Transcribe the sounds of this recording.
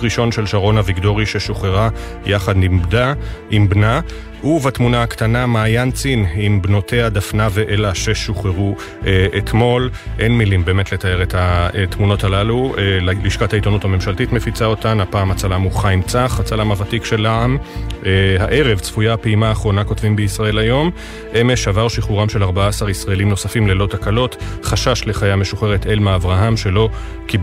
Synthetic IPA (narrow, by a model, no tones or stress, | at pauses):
ʁiʃo̞nʃe̞lʃaʁo̞naviɡdo̞ʁiʃe̞ʃoχeʁa | jaχad̪nimdaʔimbna | ʔuvatmunaakt̪anamaːjant͡sinimbno̞tʰe̞adafnave̞ʔelaʃe̞ʃoχeʁu | ʔeet̪mo̞lʔe̞nmilimbe̞ːmetle̞t̪ae̞ʁetat̪muno̞talalueliʃkathaitonuthame̞mʃaltitmefit͡sao̞tanhapaːmat͡salamuχajmt͡saχat͡salamavatikʃe̞laam | haʔe̞ʁe̞vt͡sfujapeimaːχʁo̞nakotvimbeisʁae̞lajo̞m | ʔe̞me̞ʃavaʁʃiχuʁamʃe̞laʁbaaːsaʁisʁaelimno̞safimlelo̞takalo̞tχaʃaʃle̞χajame̞ʃuχe̞ʁe̞t̪ʰe̞lmaavʁaɦamʃe̞lo̞ | ki